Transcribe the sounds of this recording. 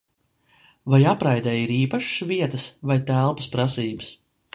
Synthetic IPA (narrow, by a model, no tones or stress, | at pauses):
vajapɾajd̪ɛːiɾiːpaʃsviɛt̪əsvajt̪ælˠpɐspɾasiːbɨs